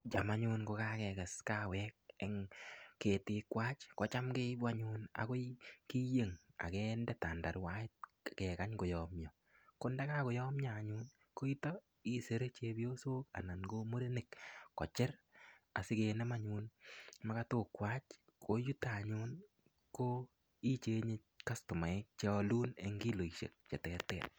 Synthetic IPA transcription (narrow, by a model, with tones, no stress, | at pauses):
d͡ʒa˨ma˨ɲu˧nko˧ka˦kɛ˨kɛ˨ska˦wɛ˦k̚ɛ˨ŋke˨tɪ˨kwaː˦t͡ʃkɔ˨t͡ʃa˦mke˦bwa˦ɲu˦na̰˨ko˦iki˦je˨ŋa̰˨kɛ˦ndɛ˦ta˨nda̰˨ɾwa˦ɪ˦t̚ | kɛ˨ka˦ɲko˨jɔ˨mɲɔ˨ | ko˦nda˦ka˦ko˨jɔ˦mɲa˨ɲu˦n | ko˦i˦tɔ˦ | i˦se˦ɾe˦t͡ʃe˧bjo˦so˦ka̰˨na˨nɡo˦mo˦ɾe˦nɪ˨kkɔ̰˨t͡ʃɪ˦ra̰˨sɪ˦ke˧nɛ˦ma˦ɲu˧nma˦ka˦to˨kwa˦t͡ʃ | kʰo˦ju˦taɲu˦n | ko˦ | i˦t͡ʃe˦ɲe˦ | ka˦stʊ˨ma˨ɪ˦k̚t͡ʃe˦ɔ˧lu˦ne˨ŋɡi˦lo˨i˨ʃḛ˨k̚t͡ʃɛ˨tɛ˨tɛː˨t̚